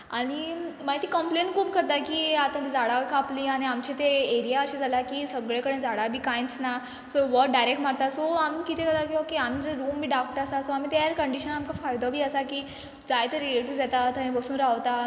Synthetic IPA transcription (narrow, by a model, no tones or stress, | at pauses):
aɽ̃imaɡit̪ːiːkəmplenʈkʰuːpkəɾt̪akiːat̪ãt̪id͡zaɽakapliːaɽ̃iamt͡ɕit̪eeɾijaəɕid͡zʱalakiːsəɡɭekəɽẽd͡zaɽabʱiːkajnt͡sna | soʋɔʈ̚ɖajɾek̚ʈmaɽt̪asoamikit̪ʰekət̪akiokiam̤iːt̪eɾuːmbʱiːɖak̚ʈəɾasasoam̤iːt̪eaɾkəɳɖiɕənamkafajd̪ɔbʱiːəsakiː | d͡zajt̪eɾileʈid͡zat̪at̪ʰənẽbəsuːnɾaʋt̪a